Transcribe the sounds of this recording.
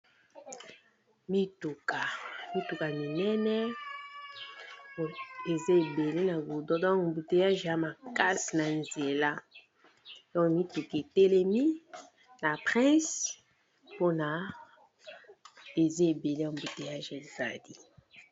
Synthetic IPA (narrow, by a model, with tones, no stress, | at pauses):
mi˦tu˨ka˨mi˦tu˨ka˨mi˨nɛ˦nɛ˦˨˦ | e˨ze˦e˨be˨le˦na˨bu˨dɔ˦dɔ̃˦kmbu˨te˨ja˦ʒja˦ma˨ka˦si˨na˨nze˨la˦ | dɔ̃˦kmi˦tu˨ke˨te˦le˦mi˦ | na˨pʁɛ̃˦s | po˦na˨ | e˨ze˦e˨be˨le˦a˨mbu˨te˨ja˦ʒe˨za˨di˦